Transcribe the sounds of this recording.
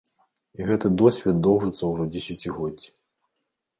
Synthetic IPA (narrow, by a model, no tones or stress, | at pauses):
iɣɛt̪ɨd̪ɔsʲvʲɛt̪̚d̪ɔwʐɨt̪sɐwʐɔd͡zʲɛsʲat͡sʲiɣɔdʲːi